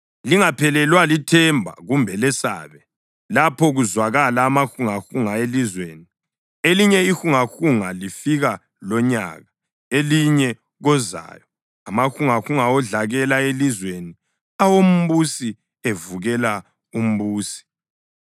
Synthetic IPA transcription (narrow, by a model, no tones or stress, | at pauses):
liŋapʰɛlɛlwalitʰɛmbʱa̰ɣumbʱɛlɛsa̰ːβɛ | lapʰɔɣuzwaɣalaːmaxuŋaxuŋaelizweːni | eliɲɛixuŋaxuŋalifiɣa | lɔɲa̰ɣa | eliɲɛ | ɣɔza̰ːjɔ | amaxuŋaxuŋaɔɮaɣɛlaelizweni | awom̩βusi | evuɣɛla | um̩βuːsi̥